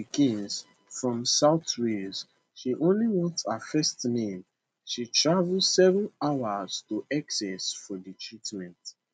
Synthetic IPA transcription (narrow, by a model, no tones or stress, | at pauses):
ikʰĩnz̥ | fɹɔ̃msaʊtɹiz̥ | ʃiʔõnliwɔ̃thafɛstnẽm | ʃitʰɹavl̩sɛvə̃nawəz̥tuʔaksɛsfɔðətʰɹitmɛ̃nt